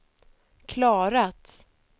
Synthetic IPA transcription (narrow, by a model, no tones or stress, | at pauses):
kʰlɑːɾat̪